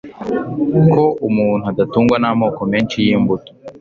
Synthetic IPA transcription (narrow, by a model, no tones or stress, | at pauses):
koʔumuːn̤̥uadatuːŋɡwanamoːko̞meːnt͡ʃijiːmbuto̥